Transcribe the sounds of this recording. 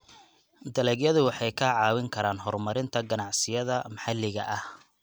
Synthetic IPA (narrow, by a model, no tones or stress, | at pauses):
d̪ɐlɛɡjɐðʊwɑħɑjkʰɐʕɑːwɪŋkʰɐɾaːnɦɔrmɐɾɪnt̪ʰɐɡɐnɑʕsɪjɐðɐmɐħɑlɪɣɐ̰ʔɐh